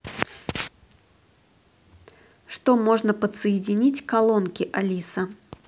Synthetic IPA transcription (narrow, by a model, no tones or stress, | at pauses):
ʂt̪omɔʐnəpət̪səjɪdʲɪnʲit͡sʲkalˠɔnkʲɪʔɐlʲisɐ